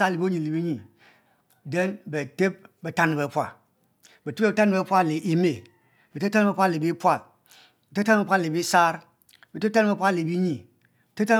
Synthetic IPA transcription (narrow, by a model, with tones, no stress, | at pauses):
a˦li˨bo˦ɲi˨li˨bi˦ɲi˨ | de˦nbe˨te˦b̚be˨ta˦ni˨be˨˦pʷa̰˨ | be˨te˦be˦bta˦n˦be˦pʷa˦li˨ʔi˦me˨ | be˨te˦ta˦n˦be˦pʷa˦li˨bi˦pʷa˦˨l | be˨te˦ta˦n˦bpʷa˦˨li˨bi˦sa˦ɾ | be˨te˦ta˦n˦be˦pʷa˦li˨bi˦ɲi˨ | bte˦ta˦